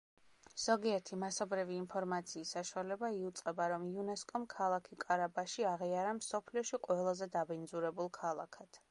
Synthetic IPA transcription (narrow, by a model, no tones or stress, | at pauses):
z̥ɔɡiɛɾt̪ʰimasɔbɾiviːnpʰɔɾmat̪sʰiːsːaʃualɛbaiut̪sʼqʼɛbaɾɔmiunɛskʼɔmkʰalˠakʰikʼaɾabaʃiaʁiaɾamsɔpʰliɔʃiqʼwɛlˠazɛd̪abind̪zuɾɛbulˠkʰalˠa̰kʰat̪ʰ